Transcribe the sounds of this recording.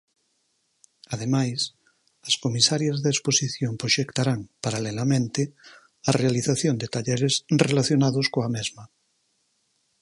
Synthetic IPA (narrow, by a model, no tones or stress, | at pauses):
aðemajs | ɐskomisaɾjazðaesposiθjompɾoʃekt̪aɾaŋpaɾalelamẽnt̪e | arealiθaθjond̪et̪aʎɛɾesrelaθjonaðoskoamezma